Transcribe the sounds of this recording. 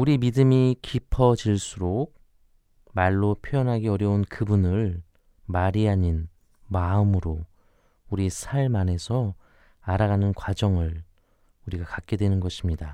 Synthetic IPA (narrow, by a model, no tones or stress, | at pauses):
uɾimidɯmikʰipʰʌd͡ʑiɭs͈uɾok̚ | maɭːopʰjojʌnɦaɡeʌɾjʌunkɯbunɯɭ | maɾiaɲin | maɯmɯɾo | uɾisʰaɭmane̞sʰʌ | aɾaɣanɯnkwad͡ʑʌŋɯɭ | uɾiɡakak̚k͈e̞dwenɯnɡʌɕʰimɲida